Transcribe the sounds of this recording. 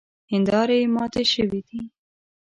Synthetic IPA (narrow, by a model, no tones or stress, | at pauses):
hɪnd̪ɑɾemɑt̪eʃəwid̪i